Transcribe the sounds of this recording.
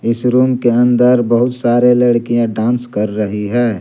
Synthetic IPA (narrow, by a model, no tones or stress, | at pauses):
ɪsɾuːmkeɐ̃nd̪əɾbɐɦʊt̪saːɾelɐɽkijãɖãːnskɐɾːɐɦiɦɛː